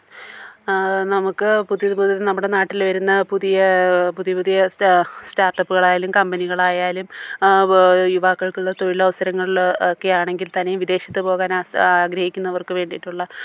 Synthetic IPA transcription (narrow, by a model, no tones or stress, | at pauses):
nɐmukːɨpuðijɐpuðiɐðenɐmːuɽenaːʈːilʋɐɾunːɐpuðijɐpuðijɐpuðijɐstaːrʈːɐpːuɣɐɭaːjaːlumkɐmbɐniɣɐɭaːjaːlum | juʋaːkːɐɭkuɭːɐt̪o̞ɻilɐʋɐsɐɾɐŋːɐɭokːe̞jaːɳe̞ŋɡilt̪ɐnejumʋid̪e̞ːɕjɐt̪ːɨpo̞ːɣaːnaːɡɾɐhikʲːunːɐʋɐrkɨʋe̞ːɳɖijiʈːuɭːɐ